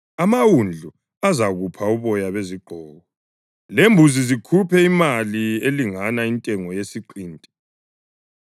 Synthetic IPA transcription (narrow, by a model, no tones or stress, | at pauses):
amawund͡ɮʱu | azaɣupʰauβɔjaβeziɡ͡ǃʱɔːɣɔ | lembʱuzizikʰupʰɛimalieliŋanaintʼɛŋɔjesiǃiːntʼɛ̥